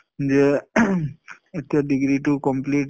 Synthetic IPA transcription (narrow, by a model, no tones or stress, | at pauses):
nd͡ʒe | ɪt̪ɐɖɪɡɾiʈukɔ̃mpliːʈ